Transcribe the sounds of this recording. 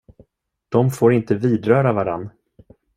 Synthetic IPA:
d̪̥ɔmfoːɾɪnt̪əviːd̪ɾœːɾavaɾa̰nː

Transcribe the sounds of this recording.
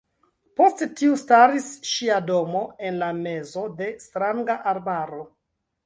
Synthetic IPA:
po̞sttiustaɾisʃiado̞mo̞e̞nlame̞zo̞de̞stɾaŋɡaʔaɾbaɾo̞

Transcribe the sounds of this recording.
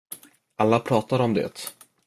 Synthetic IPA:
ʔalːapʰɾɑːt̪aɾɔmd̪ɛ̰t̪

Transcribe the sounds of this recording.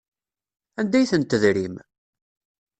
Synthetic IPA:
ænd̪æjθənt̪əðɾim

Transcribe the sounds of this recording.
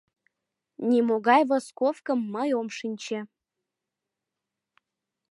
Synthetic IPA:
nʲimoɣɑjvoskofkəmːəjomʃinʲt͡ɕĕ

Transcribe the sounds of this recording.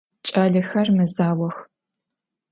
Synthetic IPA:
t͡ʃʼaːɮɨxɐrmɨzaːwɐx

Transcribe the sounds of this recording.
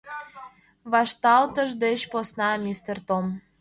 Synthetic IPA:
βɑʃt̪ɑlt̪əʒd̪et͡ɕposnɑmʲist̪ert̪om

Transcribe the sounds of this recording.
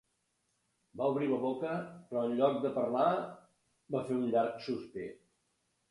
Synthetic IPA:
bauβɾiləβokəpɾɔənʎɔk̚d̪əpəɾla | bafeunʎaɾksuspe

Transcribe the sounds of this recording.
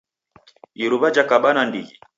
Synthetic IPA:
iɾuβad͡ʒakaɓanandiɣi

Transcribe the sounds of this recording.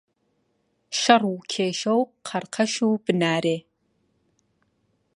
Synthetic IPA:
ʃɐrwʊkʰeːʃɐwqʰɐrqʰɐʃuːbɨnaːɾeː

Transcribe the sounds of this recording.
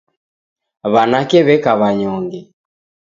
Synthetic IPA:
βanakɛβɛkaβaɲɔŋɡɛ

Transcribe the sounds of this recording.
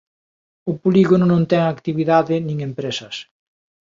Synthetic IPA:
ʊpoliɣonʊnõnt̪ɛŋakt̪iβiðaðɪnĩŋempɾesɐs

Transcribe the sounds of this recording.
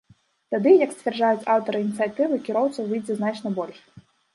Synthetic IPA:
t̪ad̪ɨjɐksʲvʲɛrd͡ʐajut͡sʲawt̪ɐɾɨinʲit̪sɨjat̪ɨvɨkʲiɾɔwt̪sɐvɨjd͡zʲɛznat͡ʂnɐbɔlʲʂ

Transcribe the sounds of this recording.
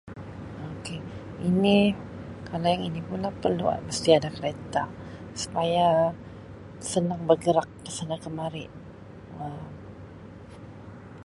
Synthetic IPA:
oke | ini | kʰalajaŋinipunlahpərlṵa̰məst̪iadakəɾet̪a | su̥paja | sənaŋbərɡəɾak̚ːəsanakəmaɾɪ̰ | əm

